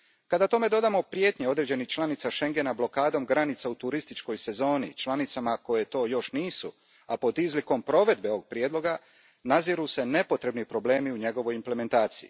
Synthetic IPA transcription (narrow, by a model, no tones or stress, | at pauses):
kad̪at̪o̞me̞d̪o̞d̪amo̞pɾje̞ːt̪ɲeo̞d̪ɾe̞d͡ʑe̞nixt͡ʃlˠanit̪saʃe̞ŋɡe̞nablo̞kaːd̪o̞mɡɾanit̪saut̪uɾist̪it͡ʃko̞jse̞zo̞ːnit͡ʃlanit̪samako̞je̞t̪o̞ːjo̞ʃniːsu | apo̞d̪izliko̞mpɾo̞ʋe̞d̪̚beooɡ̚pɾjeːd̪lˠo̞ɡa | naziɾuse̞ne̞po̞t̪ɾe̞bnipɾo̞ble̞ːmiuɲe̞ɡo̞ʋo̞jimple̞me̞nt̪aːt̪sijḭ